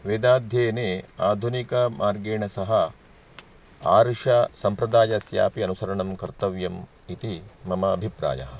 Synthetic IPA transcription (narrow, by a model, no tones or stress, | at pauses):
ʋeːd̪aːd̪ʱjeːneːaːd̪ʱunikɐmʔaːɾɡeːɳɐsɐɦɐ | aːɾʂɐsɐmpɾɐd̪aːjɐsja̰ːpiɐnusɐɾɐɳɐmkɐɾt̪ɐʋjɐm | it̪imɐmɐːbʱipɾa̰ːjɐ̰ɦɐ̆